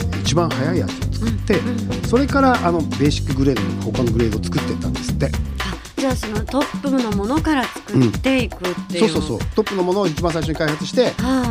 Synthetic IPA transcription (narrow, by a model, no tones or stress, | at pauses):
it͡ɕibãhajaia̰t̪iot͡sɨ̥kɯ̥t̪ːe̞so̞ɾe̞kaɾaʔano̞be̞ːɕi̥kːɯ̟ɡɯ̟ɾe̞ːd̪onoho̞kanoɡɯɾe̞ːd̪ot͡sɨ̥kɯ̟t̪ːet̪ːã̰nd̪e̞sɨ̥t̪ːe̞a | d͡ʑaːso̞no̞t̪o̞pːɯno̞mo̞no̞kaɾat͡sɨ̥kɯ̟ɯ̟̃t̪ːe̞ikɯ̟t̪ːeso̞ːso̞ːso̞̰ːt̪o̞pːɯ̟no̞mo̞no̞ːit͡ɕibãsaiʃoɲ̟ikaihat͡sɨ̥ɕi̥t̪e̞a